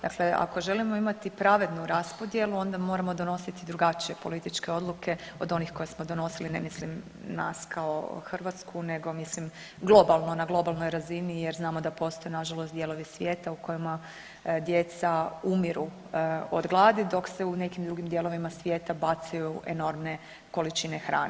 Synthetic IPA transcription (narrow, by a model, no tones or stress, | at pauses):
d̪a̰kle̞a̰ko̞ʒe̞limo̞imat̪ipɾaʋe̞d̪nuɾaspo̞d̪je̞luo̞nd̪amo̞ːɾamod̪o̞no̞sit̪id̪ɾuɡat͡ʃije̞po̞lit̪it͡ʃke̞o̞d̪lˠuke̞o̞d̪o̞nixko̞jesmo̞d̪o̞no̞siline̞̰mislim | na̰skʰao̰xrʋat̪skʰune̞ɡo̞mislim | ɡlˠo̞balˠno̞naɡlˠo̞balˠnojɾazinije̞ɾznaːmo̞d̪apo̞st̪o̞jenaʒalost̪d̪je̞lˠo̞ʋisʋʲje̞ːt̪auko̞jima | d̪je̞t̪saumiɾu | od̪ɡlˠaːd̪id̪o̞kse̞une̞kimd̪ɾuɡimd̪je̞lˠo̞ʋimasʋjeːt̪abat̪sajuʔeno̞ɾmne̞ | ko̞lit͡ʃine̞xɾa̰ːne